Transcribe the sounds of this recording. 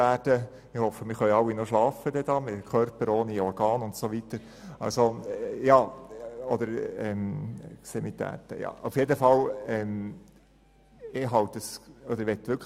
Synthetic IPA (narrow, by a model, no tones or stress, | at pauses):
æːd̥ə | ɪhɔfːəmɪχœʏɑwːinoʃlɑːfəd̥̪ɛd̥̪ɑːmɪkʰœrpəɾoːniɔɾɡɑːnʊntsoʋit̪əɾ | ɑ̰lsojɑːɔd̪əɾɛmksɛmit̪ʰæ̰ːt̪ə̰jɑ̰ːʊfjedəfɑlɛm | ɪɦɑwt̪əsɔd̪əʋɛt̪ːʋʏɾkʰ